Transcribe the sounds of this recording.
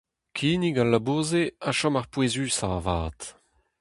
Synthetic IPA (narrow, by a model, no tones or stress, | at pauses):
kʰiːniɡalːaboːzeaʃɔmaʁpwezyːsavaːt